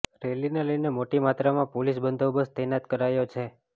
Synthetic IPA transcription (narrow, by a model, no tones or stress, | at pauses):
ɾelineləjnemoʈimat̪ɾamãpolisbənd̪ʱobəst̪ɛnat̪kəɾajot͡ʃʰe